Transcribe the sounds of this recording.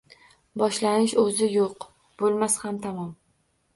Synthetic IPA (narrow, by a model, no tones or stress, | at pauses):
bɒʃlanɪʃɵzɪjoq | b̥olˠmashamt̪ʰamɒm